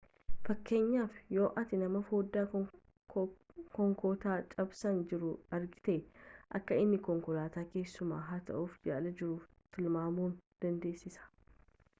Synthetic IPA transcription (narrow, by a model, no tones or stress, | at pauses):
fɐkːe̞ːɲːaːfjo̞ːʔɐt̪ɪnɐmɐfoːd̪ːaː | kɔŋkoːt̪aːt͡ʃʼɐbsɐnd͡ʒɪɾʊɐɾɡɪt̪eːʔɐkːɐɪnːɪkɔŋkʊlaːt̪aːke̞ːsːʊma̰ːɦaːt̪ɐ̰ʔuːfd͡ʒaːlɐd͡ʒɪɾuːf | t̪ɪlmaːmuːnd̪̥ɐnd̪e̞ːsːɪsɐ̥